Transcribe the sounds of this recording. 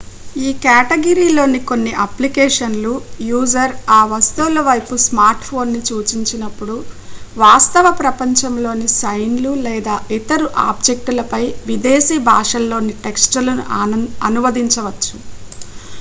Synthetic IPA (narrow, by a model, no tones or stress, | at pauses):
iːkaːʈeɡɐɾiːlo̞ːniko̞nːiʔɐplikɛːʂɐnlujuːd͡ʒɐɾaːʋɐst̪uːlɐʋɐjpusmaːɾʈpʰo̞ːnːit͡ʃuːt͡ʃiɲt͡ʃinɐpːuɽuʋaːst̪ɐʋɐpɾɐpɐɲt͡ʃɐmlo̞ːnisɐjnlulɛːd̪aːʔit̪ɐɾuʔa̰ːb̚d͡ʒe̞k̚ʈulɐpɐjʋid̪eːsiːbʱaːʂɐlːo̞ːniʈe̞ksʈɐlɐnṵɐnuʋɐd̪iɲt͡ʃɐʋɐt͡ʃːu̥